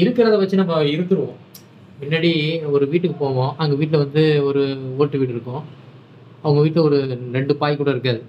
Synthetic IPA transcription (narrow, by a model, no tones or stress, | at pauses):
ɪɾɯkːɪɾɐðɐʋɐt͡ʃːɯnɐmːɐɪɾɯt̪ːɯɾɯʋõː | pɪnːɐɽiɔɾɯʋiːʈːɯkːɯpoːʋõːʔɐŋɡɐʋiːʈːlɐʋɐnd̪ɯɔɾɯoːɾʈːɯʋiːʈːɪɾɯkːõ | ɐʋɐŋɡɐʋiːʈlɐɔɾɯɾɛɳɖɯpaːjkːuːɽɐɪɾɯkːɐðɯ